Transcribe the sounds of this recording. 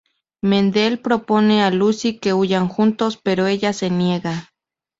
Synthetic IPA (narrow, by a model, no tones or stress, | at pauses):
mend̪elpɾopo̞nealusike̞ujaŋxunt̪ospeɾoeʎase̞njeɣa